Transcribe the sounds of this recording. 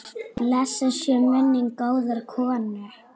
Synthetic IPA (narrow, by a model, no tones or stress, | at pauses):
lɛsasjɛmvɛnːɪŋkaːwðʏɾkʰɔːanːɪɾ̥